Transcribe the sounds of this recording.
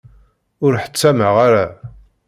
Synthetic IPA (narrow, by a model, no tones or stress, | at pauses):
ʊɾħə̥t͡sːæməʁaɾæ